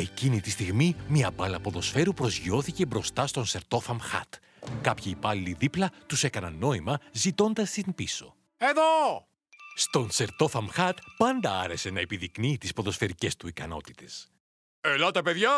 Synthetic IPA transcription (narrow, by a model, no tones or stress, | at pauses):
e̞cinit̪ist̪iɣmimiɐbɐlɐpo̞ðo̞sfe̞ɾupɾo̞zʝio̞θice̞bɾo̞st̪ɐst̪o̞nse̞ɾt̪o̞fɐmxɐ̰t̪ | kɐpçiːpɐlːiðiplɐt̪use̞kɐnɐnːo̞imɐzit̪o̞nd̪ɐst̪inpiso̞̰ | eðo | st̪o̞nse̞ɾt̪o̞fɐmxɐt̪pɐnd̪ɐɐɾe̞se̞nɐepiðiknit̪ispo̞ðo̞sfe̞ɾice̞st̪uikɐno̞̰t̪i̥t̪e̞s | elot̪ɐpeðʝɐ